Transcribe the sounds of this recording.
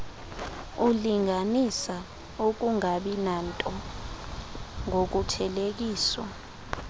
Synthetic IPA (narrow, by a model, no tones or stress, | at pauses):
uliŋʱanisa | ok̬uŋaɓinantʼɔ | ŋok̬utʰɛlek̬iːswa̰